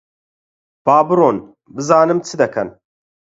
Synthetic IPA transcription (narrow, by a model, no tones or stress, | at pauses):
b̥aːbɨɾoːn | bɨzaːnɨmt͡sʰɨd̪ɐkʰɐn